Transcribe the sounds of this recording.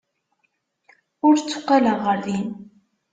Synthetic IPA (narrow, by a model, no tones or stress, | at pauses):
ʊɾt͡sːʊ̥qːaləʁəɾðin